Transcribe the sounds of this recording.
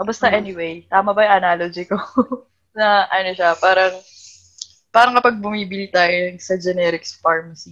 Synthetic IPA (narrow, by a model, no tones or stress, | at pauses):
ʔɐbɐst̪ɐʔɛniwejt̪aːmɐbɐjʊŋʔɐnaːlod͡ʒɪko | nɐʔɐnoʃɐpaːɾɐŋ | paːɾɐŋkɐpɐɡ̚bʊmiːbɪlit̪aːjoɐŋsɐd͡ʒɛnɛːɾɪksfaɹmɐsi